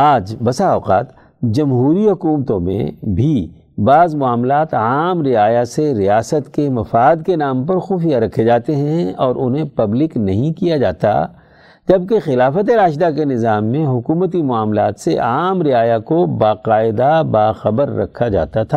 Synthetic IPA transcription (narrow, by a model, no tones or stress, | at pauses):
aːd͡ʒbɐsaɔːqa̰ːt̪ | d͡ʒɐmɦuːɾiɦʊkuːmət̪õmḛ̃bʱi | baːzmʊaːmlaːt̪aːmɾɪaːjaseɾɪjaːsət̪kemɐfaːd̪kenaːmpɐɾxuːfijaɾɐkʰːed͡ʒaːt̪eɦɛ̃ɔːɾʔʊnɦẽpɐblɪknɐɦĩkijad͡ʒaːt̪a̰ | d͡ʒɐb̚kexɪlaːfət̪eɾaːʃd̪ak̬enɪzaːmːẽɦʊkuːmət̪̬imʊaːmlaːt̪seʔaːmɾɪaːjakobaːqaːɪd̪abaːxɐbəɾːɐ̰kʰad͡ʒa̰ːt̪at̪ʰaː